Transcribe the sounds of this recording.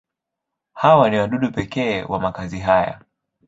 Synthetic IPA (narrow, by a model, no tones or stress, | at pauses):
hawaniwaɗuɗupɛkɛːwamakaziɦaja̰